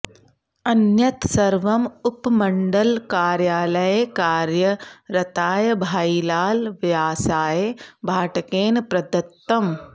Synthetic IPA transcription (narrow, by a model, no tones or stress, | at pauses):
ɐnjɐt̪sɐɾʋɐmʊpmɐɳɖɐlkaːɾjaːlɐjekaːɾjɐɾɐt̪aːjbʱaːilaːlʋjaːsaːjebʱaːʈɐkeːnpɾɐd̪ɐt̪ːɐm